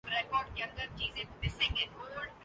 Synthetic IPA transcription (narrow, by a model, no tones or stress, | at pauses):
ɾekɔːɾɖ̚keɐ̃nd̪əɾt͡ʃiːzẽpɪsɪ̃ŋẽoːɖ